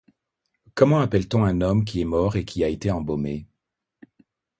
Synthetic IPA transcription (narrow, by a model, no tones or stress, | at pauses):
kɔmɑ̃apɛlt̪ɔ̃ɛ̃nɔmk̬ʲiɛmɔʁekʲiaet̪eɑ̃bɔme